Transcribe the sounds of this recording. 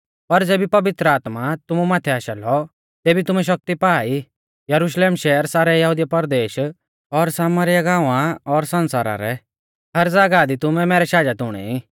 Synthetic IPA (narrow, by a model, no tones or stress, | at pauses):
pɐɾd͡zeːbipɐʋɪt̪ɾəaːt̪mat̪ʊmumaːt̪ʰɛaːʃɛlɔ | t̪eːbit̪ʊmɛʃ̬ɐk̚t̪ipaːi | jɐɾʊʃleːmʃɛːəɾsaːɾɛjɐɦuːd̪ɪjapɐɾd̪eːʃ | ɔɾsaːməɾɪjaɡãːʋãɔɾsɐ̃nsaːɾa̰ɾɛ | hɐɾd͡zaːɡad̪it̪ʊmɛmɛːɾɛʃaːd͡ʒat̪ʊɽ̃ɛ̰i